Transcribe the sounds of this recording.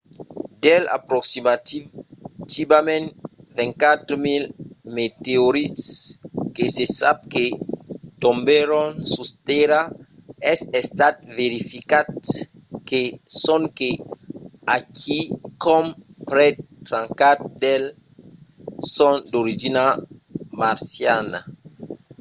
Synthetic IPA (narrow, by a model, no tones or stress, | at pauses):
dela̰pɾɔksima | tivamɛ̃ntvɛ̃ŋkat̪ɾmilmet̪eoɾitskesesab̚ket̪ɔ̃mbeɾɔ̃nsust̪ɛɾa | ɛsɛst̪at̪̚veɾifikad | kesɔ̃ŋke | akʰikɔm | pɾɛt | tɾãŋkat̪̚d̪el | sɔ̃nd̪oɾid͡ʒinamaɾsjana̰